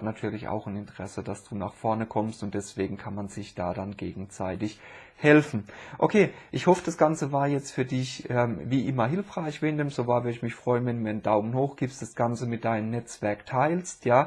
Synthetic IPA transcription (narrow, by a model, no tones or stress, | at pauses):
tnatʰyːɐlɪça̰ʊxnɪntəʁ̥ɛsəd̥asd̥uːna̰ːχfɔɐnəkʰɔmstʊntd̥ɛsv̥eːɡŋ̩kʰanmanz̥ɪçd̥aːdanɡeːɡŋ̩zaɪtɪç | hɛlfn̩ʔokʰeːʔɪçhɔfəd̥asɡ̥ant͡səvaːɐjɛt͡stfyːɐdɪçʔɛːmviːʔɪmɐɦɪlfʁ̥aɪçv̥eːndeːmz̥ovaːɐvʏɐdəɪçmɪçfʁ̥ɔʏənvɛnduːmiːɐəndaʊmənhoːxɡ̥iːpstd̥asɡ̥ant͡səmɪt̚d̥aɪnəmnɛt͡sv̥ɛɐktʰaɪlstjaː